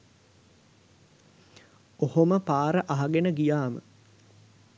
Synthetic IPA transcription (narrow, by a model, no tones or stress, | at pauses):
ohoməpaːɾəʔaɦaɡenəɡijaːmə̰